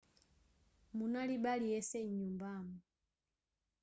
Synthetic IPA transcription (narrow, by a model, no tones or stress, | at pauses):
munalibaliɛsɛɲumbamu